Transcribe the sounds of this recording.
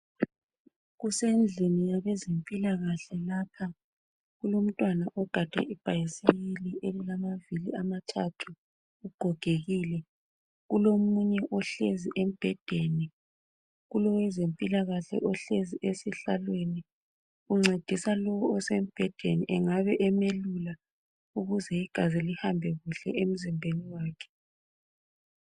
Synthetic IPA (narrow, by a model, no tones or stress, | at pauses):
ɣusend͡ɮʱinijaβɛzempʼilaɣaɬɛlaːpʰa | ɣulom̩tʼwanaʔɔɡ̥ʱad̥ʱa̰ʔib̥ʱajisiβiliʔeliɣamaviliamatʰatʰu | uɡ͡ǃ̥ʱɔɡ̥ʱeɣiːlɛ | ɣulomuɲɛʔɔɬeziʔem̩b̥ʱɛd̥ʱeni | ɣulɔwɛzempʼilaɣaɬɛ̰ʔɔɬeziʔesiɬalweni | uŋ͡ǀed̥ʱisalɔwɔɔsem̩b̥ʱɛd̥ʱeniʔɛŋaβɛʔɛmelula | uɣuzɛiɡ̥ʱazilihambʱɛɣuɬɛʔem̩zimbʱeniwaːkʰɛ̥